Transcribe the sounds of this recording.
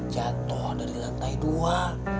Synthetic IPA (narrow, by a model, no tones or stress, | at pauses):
d͡ʒat̪ɔhdaɾiɾak̪aidua